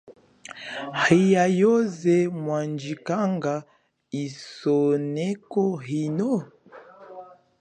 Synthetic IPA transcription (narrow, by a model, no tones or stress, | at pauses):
hijajozɛmwand͡ʒikaŋɡa | isonɛkɔhino